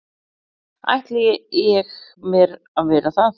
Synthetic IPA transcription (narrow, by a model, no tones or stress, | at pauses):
a̰jht̪lɛjɪɛxmɛɾ | aðvɛːɾaθaθ